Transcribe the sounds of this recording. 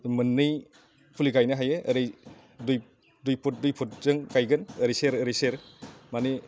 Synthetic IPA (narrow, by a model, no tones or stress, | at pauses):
mɯnːɯj | pʰuliɡajnɯɦajɯəɾɯj | duj | dujpʰɔt̚dujpʰut̚zɯŋɡajɡɯnəɾijseɾɯɾijseɾmani